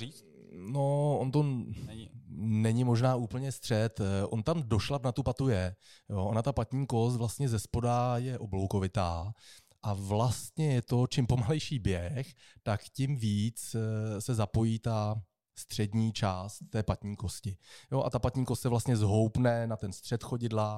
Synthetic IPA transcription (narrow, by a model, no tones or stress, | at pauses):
iːt͡s | noont̪o̞ | nɛɲɪmo̞ʒnaːʔuːpl̩ɲɛst̪r̥ɛt̪ʔo̞nt̪amdo̞ʃlapnat̪upat̪ujɛjoːʔonat̪apat̪ɲiːko̞st̪vlast̪ɲɛzɛspo̞dajɛʔoblo̞wko̞vɪt̪aː | ʔavlast̪ɲɛjɛt̪o̞t͡ʃɪmpo̞malɛjʃiːbjɛxt̪akcɪmviːt͡ssɛzapo̞jiːt̪a | st̪r̝̥ɛdɲiːt͡ʃaːst̪ːɛːpat̪ɲiːko̞scɪjo̞ʔa̰t̪apat̪ɲiːko̞st̪sɛvlast̪ɲɛzɦo̞wpnɛnat̪ɛnst̪r̥ɛt̪xo̞ɟɪdla